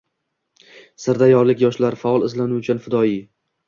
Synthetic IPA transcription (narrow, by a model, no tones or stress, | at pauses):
sɪɾd̪ajɒɾlɪkʲjɒʃlaɾfaɒlˠɪzlanʊt͡ʃʰanfɪd̪ɒi